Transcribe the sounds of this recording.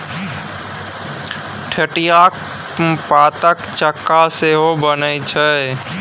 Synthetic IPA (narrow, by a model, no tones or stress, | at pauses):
ʈʰeʈijak | pat̪əkt͡ʃəkːaseɦobənət͡ʃʰə